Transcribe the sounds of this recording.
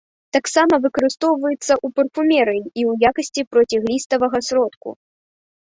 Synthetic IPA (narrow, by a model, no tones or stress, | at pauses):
t̪aksamɐvɨkɐɾɨst̪ɔwvɐjɛt̪sːɐʔupɐrfumʲɛɾɨjiiwjakɐsʲt͡sʲipɾɔt͡sʲiɣlʲist̪ɐvɐɣɐsɾɔt̪kṵ